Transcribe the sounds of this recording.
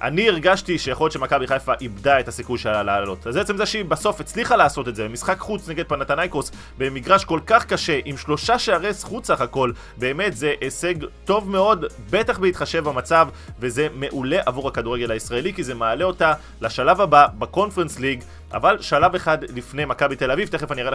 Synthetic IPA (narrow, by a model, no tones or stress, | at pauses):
ʔa̰niiʁɡaʃtiʃejaχo̞ljotʃemakabiχajfaʔibdaethasikujʃelalaːlo̞tazbet͡semzeʃibaso̞fet͡sliχalaːso̞t̪etzebemisχakχut͡sne̞ɡed̪̚panat̪anajkos | be̞miɡʁaʃko̞lkaχkaʃe̞ʔimʃlo̞ʃaʃeaʁesχut͡saχako̞l | be̞ːme̞tze̞ʔese̞ɡto̞vme̞o̞d | be̞taχbeit̪χaʃe̞vbamat͡sav | ve̞ze̞me̞ʔule̞ʔavuʁakaduʁe̞ɡe̞laisʁaelikize̞maːle̞o̞ta | laʃalavababako̞nfeʁensliɡ | ʔa̰valʃalaveχadlifne̞jmakabit̪e̞lavivt̪eχefaniʁae